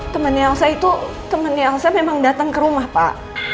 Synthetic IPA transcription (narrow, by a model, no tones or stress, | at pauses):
t̪əmənialsait̪u | t̪əmənːialsamemaŋdat̪əŋkəɾumahpa̰ʔ